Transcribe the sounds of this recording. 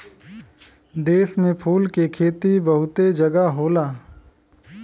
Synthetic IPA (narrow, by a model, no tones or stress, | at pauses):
d̪eːsmẽpʰuːlkekʰeːt̪ibɐɦʊt̪ed͡ʒɐɡaɦoːlaː